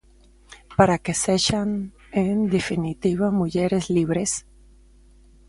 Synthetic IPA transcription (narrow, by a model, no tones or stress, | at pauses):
paɾake̞se̞ʝan | end̪efinit̪iβamuʝe̞ɾezliβɾe̞s